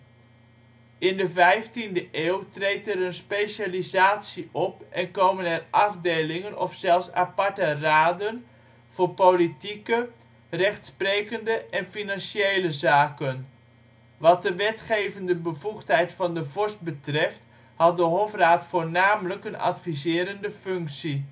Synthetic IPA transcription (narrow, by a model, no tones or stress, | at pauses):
ɪndəvɛjftindəʔeːwtrejtɛɾənspeʃalizaːtsiʔɔpʔɛnkowmənɛrʔɑvdejlɪŋənɔfsɛlˠsa̰pɑɹtəraːdən | v̥ʊːɹpolitikə | rɛχtsprejkəndəʔɛnfinɑnʃejləzaːkən | ʋɑt̚dəʋɛtχejvəndəbəvuχtɦɛjtfɑndəvɔɹst̚bətrɛft | hɑt̚dəɦɔfraːtfʊːɹnaːmələkənɑ̰tfizɪːɾəndəfɵŋksi